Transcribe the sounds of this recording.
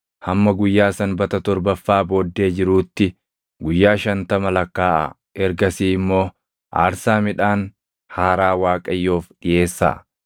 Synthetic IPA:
hɐmːɐɡʊjːaːsɐnbɐt̪ɐt̪ɔɾbɐfːaːbo̞ːd̪ːe̞ːd͡ʒɪɾuːt̪ːɪ | ɡʊjːaːʃɐnt̪ɐmɐlɐkːaːʔɐ̰ | ɛɾɡɐsiːɪmːo̞ː | ʔa̰ːɾsaːmɪᶑaːn | haːɾaːwaːkʼɐjːoːfɗɪje̞ːsːa̰ː

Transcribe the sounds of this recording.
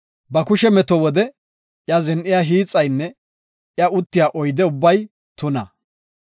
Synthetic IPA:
bɐkʊʃɛmɛt̪ɔwɔd̪ɛ | ʔjɐzɛnʔɪjaːɦiːt͡sʼːɐjnːɛ | jɐʔʊt̪ːɪjaːʔɔjd̪ɛʊbːɐj | t̪ʊnɐ̰

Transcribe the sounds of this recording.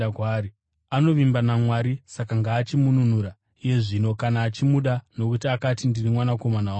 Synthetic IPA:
kaːɾi | ano̞ʋimbanamwaɾisakaŋɡaːt͡ʃimunun̤uɾa | ije̞ʐino̞kanaːt͡ʃimuɗano̞kutiakatindirimwanako̞manawa

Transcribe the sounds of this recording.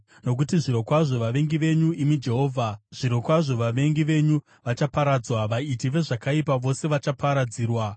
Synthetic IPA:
no̞k̬utiʐiɾo̞kwaʐo̞ʋaʋe̞ŋɡiʋe̞ɲuimid͡ʒe̞ɦo̞ːvʱaʐ̥iɾo̞kwaʐo̞ʋaʋe̞ŋɡiʋe̞ɲu | ʋat͡ʃapaɾad͡zwaʋaitiʋe̞ʐakaipaʋo̞se̞ʋat͡ʃapaɾad͡ziːrwa

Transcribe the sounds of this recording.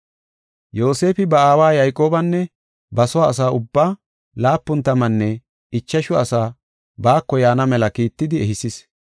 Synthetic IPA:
jo̞ːse̞ːfɪbɐaːwaːjɐjkʼo̞ːbɐnːɛ | bɐsɔwaːs̬aːʔʊbːaː | laːpːʊnt̪ɐmɐnːɛ | ɪt͡ʃːɐʃʊɐsaː | baːkːɔjaːnɐmɛlɐkiːt̪ːɪd̪ɪɛhɪsɪs

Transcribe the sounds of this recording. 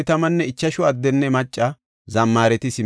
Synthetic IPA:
t̪ɐmɐnːɛɪt͡ʃːɐʃʊɐd̪ːɛnːɛmɐt͡ʃʼːɐ | zɐmːaːɾɛt̪ɪsɪ

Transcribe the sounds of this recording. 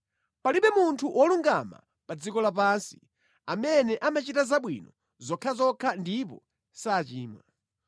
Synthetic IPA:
paliɓɛmuntʰuʔwʔɔluŋɡama̰ | pad͡zikɔlap̬ansi̥ | amɛnɛʔamat͡ʃitazaɓwḭnɔ | zɔkʰazɔkʰandipɔ | saːt͡ʃiːma

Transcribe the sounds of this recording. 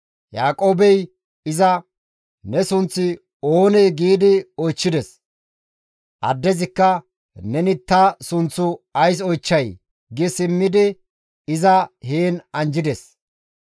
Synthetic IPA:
jaːkʼo̞ːbɛj | ɪzɐ | nɛsʊnt͡sːɪ | oːnɛjɡiːd̪ɪɔjt͡ʃːɪd̪ɛs | ʔɐ̰d̪ːɛzɪkːɐ | nɛnɪt̪ːɐsʊnt͡sːʊɐjs̬ɔjt͡ʃːɐj | ɡɪsɪmːɪd̪ɪ | ɪzɐheːnɐnd͡ʒɪd̪ɛs

